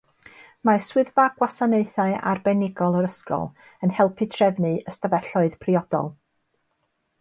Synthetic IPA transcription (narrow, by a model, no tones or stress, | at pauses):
maswɪðvaɡwasaneɨθaɨʔa̰rbɛnɪɡɔlˠəɾəskɔ̰lˠ | ənhɛlˠpʰɨtʰrɛvnɨəstavɛɬɔɨð̥pʰriɔd̥ɔ̰lˠ